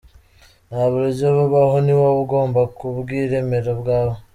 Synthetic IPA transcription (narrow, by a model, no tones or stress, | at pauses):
naβuɾiɟoβuβahoniβaβuɡo̞ːmbakuβɡiːɾe̞me̞ɾobɡaːβo